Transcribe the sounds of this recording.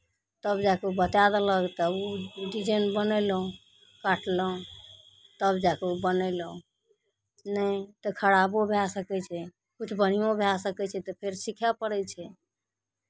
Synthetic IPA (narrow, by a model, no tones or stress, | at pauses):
t̪əbd͡ʒakeubət̪ad̪ələkt̪əbuɖid͡ʒənbənəjləɦũ | kaʈʰləɦũ | t̪əbd͡ʒakeubənəɪlũ | nəit̪ɔkʰəɽabobʱjasəkɛt͡ʃʰɛ | kut͡ʃʰbən̤ijõbʱasəkɛt͡ʃʰɛt̪ɔpʰeɾsikʰapəɽɛt͡ʃʰɛ